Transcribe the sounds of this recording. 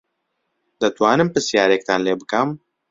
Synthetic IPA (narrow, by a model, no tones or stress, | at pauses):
d̪ɐt̪waːnɨmpɨsjaːɾek̚t̪ʰaːnleːbɨkɐm